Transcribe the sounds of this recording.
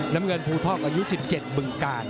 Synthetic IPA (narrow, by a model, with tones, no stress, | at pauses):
na˦˥mŋɤ˧npʰuː˧t̪ʰɔː˥˩k̚ʔaː˧ju˦˥si˨˩p̚t͡ɕe˨˩t̪̚bɯ˨˧˩ŋkaː˧n